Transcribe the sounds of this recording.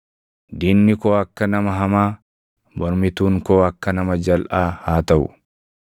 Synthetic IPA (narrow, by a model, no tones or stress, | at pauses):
d̪iːnːɪkoːɐkːɐnɐmɐɦɐmaː | bɔɾmɪt̪uːŋkoːɐkːɐnɐmɐd͡ʒɐlʔaːhaːt̪ɐʔʊ̰